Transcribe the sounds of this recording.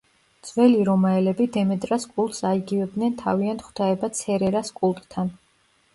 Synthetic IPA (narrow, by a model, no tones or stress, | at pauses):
d̪z̥vɛliɾɔmaɛlɛbid̪ɛmɛt̪ʼɾaskʼulˠt̪ʼsaiɡivɛb̚d̪nɛnt̪ʰa̰viant̪χu̥t̪ʰaɛbat̪sʰɛɾɛɾaskʼulˠt̪ʼt̪ʰːan